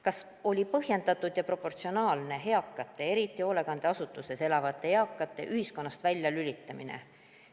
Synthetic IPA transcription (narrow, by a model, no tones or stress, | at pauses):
kɑs | o̞lʲipɤhje̞nd̪̥ɑt̪ːˑud̪̥jɑpro̞po̞rt̪sio̞nɑːlne̞ɦe̞ɑkːˑɑt̪ːˑe̞e̞ɾit̪ːˑio̞le̞ɡɑnd̪̥e̞ɑsut̪ːˑuse̞se̞lɑvɑt̪ːˑe̞jɑkːˑɑt̪ːˑe̞̰ʔyhisko̞nːɑst̪vælʲjɑlylʲit̪ːˑɑminḛ